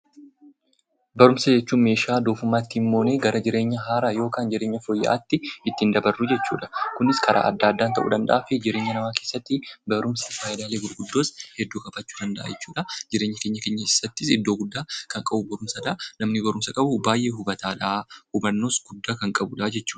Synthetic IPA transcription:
bɐɾʊmsɐd͡ʒɛt͡ʃːuːnme̞ːʃaːd̪oːfʊmːaːt̪ːɪɪmːo̞ːneːɡɐɾɐd͡ʒɪɾe̞ːɲːɐɦaːɾajo̞ːkaːnd͡ʒɪɾe̞ːɲːɐfoːjːɐ̰ʔa̰ːt̪ːɪɪt̪ːɪnd̪ɐbɐrːʊd͡ʒɛt͡ʃːṵːᶑɐ̥kʊnɪskɐɾʔa̰ːʔɐ̰d̪ːaːd̪ːaːnt̪ɐʔṵːᶑ̪ɐnd̪ɐ̰ʔaːfɪd͡ʒɪɾe̞ːɲːɐnɐmaːke̞ːsːɐt̪ːɪbɐɾʊmsɐfaːɪd̪aːleːɡʊɾɡʊd̪ːo̞ːshɛd̪ːuːkʼɐbɐt͡ʃːuːd̪ɐnd̪ɐʔa̰ːjɛt͡ʃːuːᶑɐd͡ʒɪɾeːɲːɐke̞ːɲːɐkeːɲːɐɪsːɐt̪ːɪsɪd̪ːo̞ːɡʊd̪ːaːkɐŋkʼɐbʊbɐɾʊmsɐd̪aːnɐmnɪbɐɾʊmsɐkʼɐbʊbaːjʔeːɦʊbɐt̪aːᶑahʊbɐnːo̞ːsɡ̥ʊd̪ːaːkɐŋkʼɐbʊᶑaːd͡ʒɛt͡ʃːuːᶑɐ̥

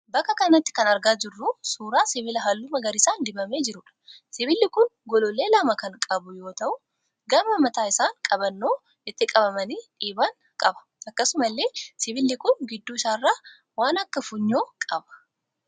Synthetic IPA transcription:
bɐkːɐkɐnɐt̪ːɪ̥kɐnɐɾɡaːd͡ʒɪrːusuːɾaːsɪβɪlɐɦɐlːʊmɐɡɐɾɪsaːnd̪ɪbɐme̞ːd͡ʒɪɾʊᶑɐ̥sɪβɪlːɪkʊnɡɔlɔle̞ːlɐmɐkɐŋkʼɐbʊjo̞ːt̪ɐʔʊ | ɡɐmɐmɐt̪aːɪsaːŋkʼɐbɐnːoː | ɪt̪ːɪkʼɐbɐmɐniːᶑiːbɐŋ | kʼɐbɐ̥ | ʔɐkːɐsʊmɐlːe̞ːsɪβɪlːɪkʊnɡɪd̪ːuːɪsaːrːaː | waːnɐkːɐfʊɲːoːkʼɐbɐ̥

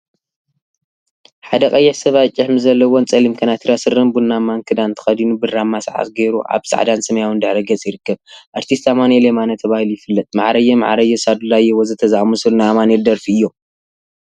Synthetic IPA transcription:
ħad̪ɐkʼɐjːɛħsɐβat͡ʃʼɪħmɨzɐlːɐwont͡sʼɐlimkʰɐnat̪ʰiɾasɨɾɨmbunːamaŋkʰɨd̪ant̪ʰɨ̥xɐd̪inubɨramːasʕa̰t̪ɡeɾuʔa̰βsa̰ʕd̪ansɐmɐjawɨnd̪ɨħɾiɡɐt͡sʼjɪɾɨkːɐβʔaɾt̪ʰist̪amanelemanɐt̪ʰɐβahilujɪfɨlːɐt̪ʼma̰ʕɾɐjːɛma̰ʕɾɐjɛsad̪ulajɛwozɨt̪ʰɐzamusɨlnamaneld̪ɐɾfiɨjːo̞

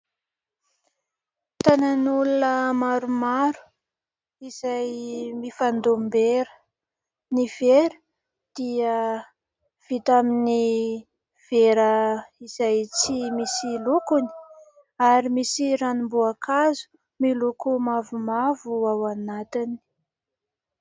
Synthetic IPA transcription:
t̪ananulunəmaɾumaɾu̥ | izajmifand̪ombeɾə̥ | niveɾə̥ | d̪̥iə | v̥it̪amini | v̥eɾəizajt͡simisilukuni̥ | aɾimisiɾanimbuakʰazu̥ | milukumavumavuawanat̪ini̥

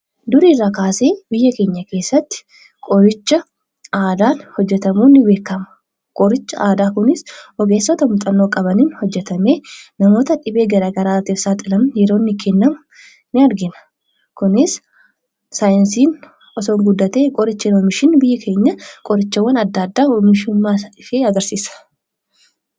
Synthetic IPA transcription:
d̪ʊɾiːrːakaːse̞ːbɪjːɐke̞ːɲːɐke̞ːsːɐt̪ːɪ̥ | kʼɔɾɪt͡ʃːɐ | aːd̪aːnhɔd͡ʒːɛt̪ɐmuːnːɪbe̞ːkːɐmɐ̥ | kʼɔɾɪt͡ʃːɐaːd̪aːkʊnɪsʔɔɡe̞ːsːɔt̪ɐmʊt̪ʼɐnːoːkʼɐbɐniːnhɔd͡ʒːɛt̪ɐme̞ːnɐmo̞ːt̪ɐᶑɪbe̞ːɡɐɾaːɡɐɾaːɐt̪eːsaːt̪ʼɪlɐmɐjɛɾo̞ːnːɪkʰɛnːɐmʊ | nɪɐɾɡɪnɐ̥ | kʊnɪs | saːjɪnsiːn | ɔsoːŋɡʊd̪ːɐt̪eːkʼɔɾɪt͡ʃːɪnɔmɪʃɪnbɪjːɐkʰe̞ːɲːɐkʼɔɾɪt͡ʃːɐwːɐnɐd̪ːaːd̪ːaːɔmɪʃʊmːaːɪfeːɐɡɐɾsiːsɐ̥

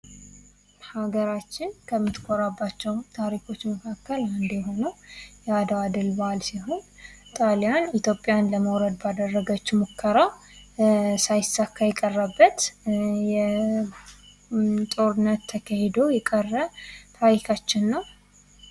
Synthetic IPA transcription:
haɡəɾat͡ʃːɪnkʰəmːɨt̪kʰʼoɾabːat͡ʃːɛwt̪ʰaɾikʰo̞t͡ʃːməkʰakːəlɨnd̪eɦo̞nəwjɛad̪aad̪ɨlbəalsiɦo̞nt̪ʼalejanit̪ʰjo̞pʼjanləməwɾəd̪bad̪ərːəɡət͡ʃːmokʰːəɾa | sajɪsːakːajɛkʼərːabːət̪jɛ | t̪ʼo̞ɾɨnːət̪ʰːəkʰəhed̪ojɛkʼərːət̪ʰaɾikʰat͡ʃːɪnːəw

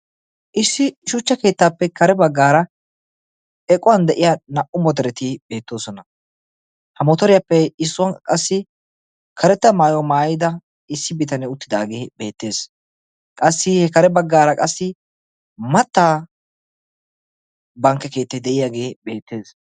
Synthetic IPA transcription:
ʔɪsːɪʃʊt͡ʃːɐke̞ːt̪ːaːpːɛkɐɾɛbɐɡːaːɾɐ | ɛkʼːʊwɐnd̪ɛʔɪjanɐʔʊmɔd̪ɛɾɛt̪ɪbe̞ːt̪ːo̞ːsɔnɐ | hɐmɔt̪ɔɾɪjɐpːɛɪsːʊwɐnkʼɐsːɪ | kʰɐɾɛt̪ːɐmaːjɔmaːjɪd̪ɐ | ɪsːɪbɪt̪ɐnɛʊt̪ːɪd̪aːɡeːbe̞ːt̪ːe̞ːs | kʼɐsːɪhɛkɐɾɛbɐɡːaːɾɐkʼɐsːɪ | mɐt̪ːaː | bɐŋkːɛke̞ːt̪ːɐd̪ɛʔɪjaɡeːbe̞ːt̪ːe̞ːs

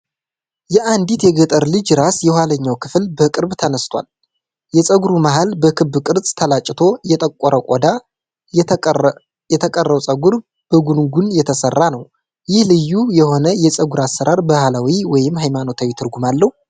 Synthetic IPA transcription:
jɛʔand̪it̪jɛɡət̪ʼəɾlɨd͡ʒɾasjɛhwaləɲːawkʰɨflbəkʼɨɾbt̪ʰənəst̪ʰwa̰l | jɛsʼəɡuɾumaɦalbəkʰɨbːɨkʼɨɾsʼt̪ʰəlat͡ʃʼːɪt̪ʰo̞jɛt̪ʼəkʼːɔɾʔəkʷʼɔd̪a | jɛt̪ʰəkʼərːəwsʼəɡuɾ | b̥əɡunɡunjɛt̪ʰəsərːanəw | jɪhlɨjːujɛho̞nəjɛsʼəɡuɾasːəɾaɾbahalawiwɔjɪmːhajmano̞t̪ʰawit̪ʰɨɾɡumalːəhu

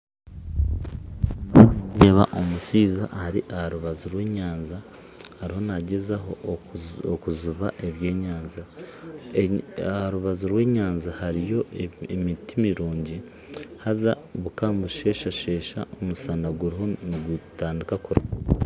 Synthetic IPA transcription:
jeːβa̰ʔomusiːza̰ʔhaɾiʔahaɾuβazuɾwe̞ːɲaːnza | haɾiho̞naɟezaɦo̞ | okuzuβaʔe̞βje̞ːɲaːnza | haɾuβazuɾwe̞ːɲaːnzahaɾijo̞emitimiɾuːɲɟi | haza | βukaːmbuʃe̞ːʃaʃe̞ːʃa̰omusaːndaɡuɾiho̞niɡutaːndikakuɾa

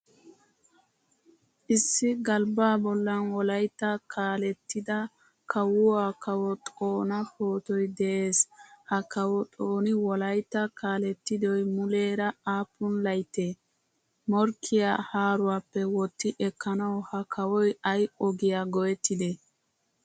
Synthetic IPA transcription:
ʔɪsːɪɡɐlbaːbɔlːɐnwɔlɐjt̪ːɐkʰaːlɛt̪ːɪd̪ɐ | kʰɐwʊakɐwɔt̪ʼoːnɐhoːt̪ɔjd̪ɛʔeːshɐkɐwɔt̪ʼoːnɪwɔlɐjt̪ːɐkaːlɛt̪ːɪd̪ɔjmʊle̞ːɾɐaːpːʊnlɐjt̪ːeː | mɔɾkʰːɪjahaːɾʊwaːpːɛwɔt̪ːɪʔɛkːɐnɐwhɐkʰɐwɔjɐjɔɡɪjaɡɔjɛt̪ːɪd̪ɛ

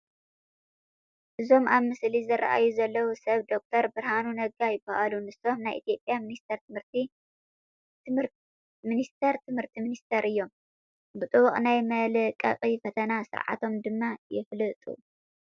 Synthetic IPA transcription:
ʔɨzo̞mʔaβmɨslizɨɾa̰ʔa̰juzɐlːɐwusɐβd̪o̞k̚t̪ʰɐɾbɨɾhanunɐɡajɪbaʔalunɨso̞mnajʔḭt̪ʰijo̞pʼjaminist̪ʰɐɾt̪ʰɨmhɨɾt̪i | minist̪ʰɐɾt̪ʰɨmhɨɾt̪ʰiminist̪ʰeɾʔɨjːo̞m | bɨt̪ʼɨβuχʼnajmɐlɨkʼːɐ̰qʼifɐt̪ʰɐnasɨ̰ɾʕa̰t̪ʰo̞md̪ɨmːajɪflɨt̪ʼṵ

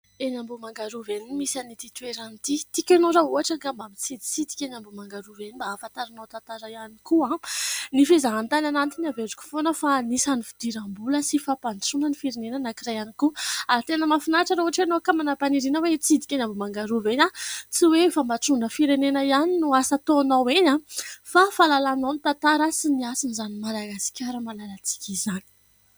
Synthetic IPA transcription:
enambumaŋɡaɾuvenimisanit̪it̪ueɾanit̪it̪ikʲanoɾauɦaʈ͡ʂaɡambabit͡sid̪i̥t͡sid̪i̥kʲenambumaŋɡaɾuvenibaːfant̪aɾanat̪ant̪aɾajanikuãnifezaɦant̪ananant̪iniaveɖ͡ʐu̥kʲu̥fonəfanisanifid̪̥iɾambuləsifapant͡sunənifiɾenenənakirajanikuaɾit̪enəmafinaʈ͡ʂaɾouaʈ͡ʂeanokamanapaniɾinəwet͡sid̪i̥kʲanambumaŋɡaɾuveɲat͡siwefambaʈ͡ʂunəfiɾenenəianinuasat̪onaweɲafafalalananit̪ant̪aɾasiniasinizanimalaɡasi̥kʲaɾəmalalat͡si̥kʲizani̥

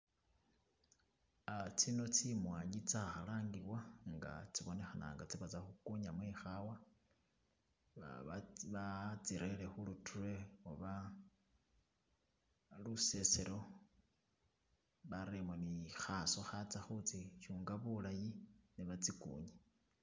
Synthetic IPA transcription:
at͡sino̞t͡simwaːɲit͡saxalaːŋɡiβwaŋɡa̰t͡siβone̞xana̰ːŋɡat͡siβat͡saxukuɲamweːxawa | βat͡siɾelexulutʰurwe̞oβa | luse̞seɾo̞ | βaɾemonixaso̞xat͡saxut͡siʃuːŋɡaβulajiniβat͡sikṵːɲa

